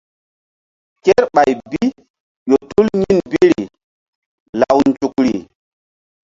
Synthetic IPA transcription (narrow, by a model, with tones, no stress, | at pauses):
kɛ˦ɾɓa˨jbi˦ | jo˨tu˦lɲi˦nbi˦ɾi˨ | la˨wnd͡ʒu˨k̚ɾi˨